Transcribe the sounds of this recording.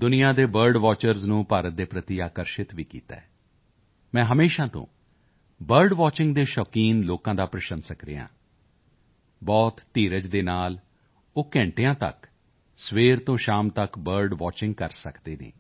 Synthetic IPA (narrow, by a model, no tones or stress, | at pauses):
d̪ʊnijãːd̪eːbəɾɖʋɔːt͡ʃəɾznũːpaːɾət̪̚d̪eːpɾət̪iaːkəɾʃɪt̪ʋiːkḭːt̪ɛ̰ː | mɛ̃ːɦəmeːʃãːt̪õ̰ː | bəɾɖʋaːt͡ʃɪŋɡd̪eːʃɔːkiːnloːkãːd̪aːpɾəʃənsəkɾḛːjã̰ː | bɔːt̪ːiːɾəd͡ʒd̪eːnaːl | oːkɛ̃ːɳʈejãːt̪ə̰k | sʋeːɾt̪õːʃaːmt̪əkbəɾɖʋaːt͡ʃɪ̃ŋɡ̚kəɾsəkd̪eːnḛ̃ː